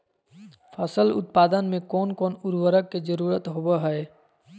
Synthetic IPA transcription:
pʰəsəlʊ̰t̪̚paːd̪ənmẽkɔːnkɔːnʊɾwəɾəkːed͡ʒəɾuːɾət̪ɦobaɦɛe

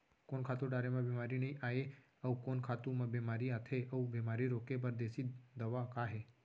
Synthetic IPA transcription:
konkʰat̪uɖaɾemãbɛmaɾinəĩʔae | əukonkʰat̪umãbemaɾiat̪ʰeʔəubemaɾiɾokebəɾd̪esid̪əʋakaɦe

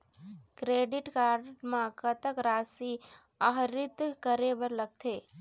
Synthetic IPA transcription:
kɾeːɖɪʈkaːɾɖmãkət̪əkɾaːsi | əɦɾɪt̪kəɾebəɾləɡ̚t̪ʰeː

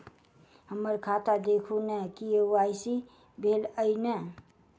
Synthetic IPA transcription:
həməɾkʰaːt̪ad̪ekʰunəkiaɪsi | bʱeləinɛ

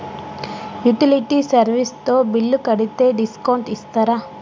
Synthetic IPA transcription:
juʈiliʈiːsɐɾʋist̪o̞ːbilːukɐɽit̪e̞ːɖiskɐwɳʈist̪aːɾaː

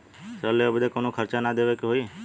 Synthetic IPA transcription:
səlːeobɪd̪ekoːnokʰəɾt͡ʃanad̪eːʋekeɦoi

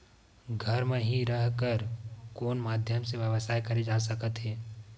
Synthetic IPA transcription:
ɡʱɐɾmẽɦiɾəɦkəɾkoːnmaːd̪ʱjəmseʋjəʋəsaːɦkɐɾed͡ʒaːsəkət̪ɦɛː

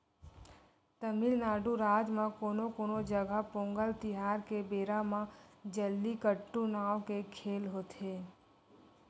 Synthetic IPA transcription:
t̪əmɪlnaːɖuɾaːd͡ʒmãkoːnokoːnod͡ʒəɡʱapõːŋɡəlt̪ɪɦaːɾkebeːɾamãd͡ʒəlːikəʈːunaːʋkekʰeːlɦoːt̪ɦeː

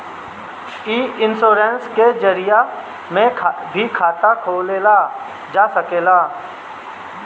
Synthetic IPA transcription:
iːɪnsoːɾensked͡ʒəɾija | mẽbʱikʰaːt̪akʰoːlela | d͡ʒaːsəkeːlaː

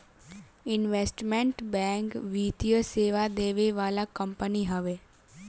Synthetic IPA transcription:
ɪnʋeːsʈmɛ̃ɳʈbɛ̃ːŋkʋiːt̪ijəseːʋad̪eːʋeʋaːlakəmpəniɦəʋeː

